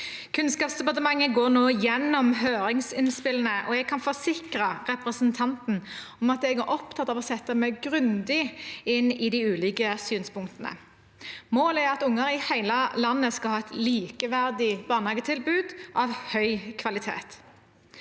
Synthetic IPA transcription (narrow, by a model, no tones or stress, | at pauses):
kʰʉnskɑːpsd̪ɛpɑt̪əmɑŋːəɡoːnoːjɛnːɔmɦøːɾɪŋsɪnspɪlənəʔɔɛɡ̚kʰɑnfɔsɪkɾɑʁɛpʁɛsənt̪ʰɑnt̪n̩ | ɔmɑt̪̚ɛɡæɾʔɔpt̪ʰɑt̪ːɑʋɔsɛt̪ːəmæɪɡɾʉnd̪ɪɪnɪd̪æɪʉːlɪːkəsyːnspʊŋkt̪ənə̰ | moːlæɾɑt̪ʊŋːəɾɪhæɪləlɑnːəskɑlhɑːɛt̪liːkəʋæʁd̪ɪb̥ɑːnhɑːɡət̪ʰɪlbʉːd̪ʔɑʋhœʏkʰʋɑlɪt̪ʰḛːt̪